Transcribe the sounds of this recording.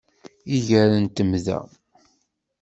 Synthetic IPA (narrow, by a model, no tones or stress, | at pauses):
iʝəɾənt̪əmðæ̰